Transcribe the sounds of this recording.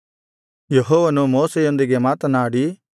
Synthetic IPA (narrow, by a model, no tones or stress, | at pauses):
jɐɦoːʋɐnumoːsejond̪iɡemaːt̪ɐnaːɽi